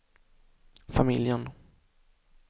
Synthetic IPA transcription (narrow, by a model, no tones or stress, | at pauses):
famɪljən